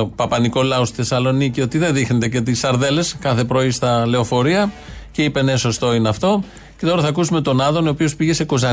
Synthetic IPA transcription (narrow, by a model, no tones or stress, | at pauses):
pɐpɐniko̞lɐo̞st̪iθe̞sɐlo̞nicio̞t̪iðe̞ðixnet̪e̞cet̪isɐɾðe̞le̞skɐθe̞pɾo̞ist̪ɐle̞o̞fo̞ɾiɐ | ceipe̞neso̞st̪o̞ineɐft̪o̞ | cet̪o̞ɾɐθɐkusume̞t̪o̞nɐðonoopio̞spiʝe̞se̞kozɐ